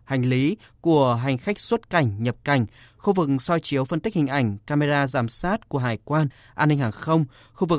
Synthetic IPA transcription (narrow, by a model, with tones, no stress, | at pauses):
ha˨˩jŋ̟li˨˦ku˧˩əɦa˨˩jŋ̟xa˦˥k̟̚swə˦˥t̚ka˧˩jŋ̟ɲə˨˩p̚ka˨˧˩jŋ̟xu˧vɨ˨˩k̚sɔ˧jt͡ɕi˨˦əwfə˧nt̪i˦˥k̚hï˨˩ŋ̟ʔa˧˩jŋ̟kaː˧me˧zaː˧zaː˧˩msaː˦˥t̚ku˧˩əɦaː˨˩jkwaː˧n | ʔaː˧nːï˧ŋ̟haː˨˩ŋxə˧wŋ͡m | xu˧vɨ˨˩